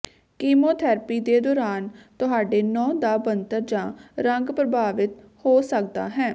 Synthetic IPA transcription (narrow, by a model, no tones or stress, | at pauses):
kiːmoːt̪ʰɛːɾpiːd̪eːd̪ɔːɾaːnt̪ʊɦaːɖeːnɔ̃ːd̪aːbənt̪əɾd͡ʒãːɾəŋɡpɾəbʱaːʋɪt̪ | hoːsək̚d̪a̰ːɦɛː